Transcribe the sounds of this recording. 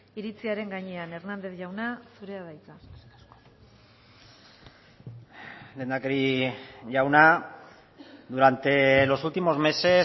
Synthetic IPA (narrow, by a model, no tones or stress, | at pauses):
iɾit͡siaɾe̞ŋɡaɲe̞ane̞ɾnand̪e̞θʝawnasuɾe̞aðajt͡sa | le̞ːnd̪akeɾiʝawna | d̪uɾant̪e̞lo̞sult̪imo̞zme̞se̞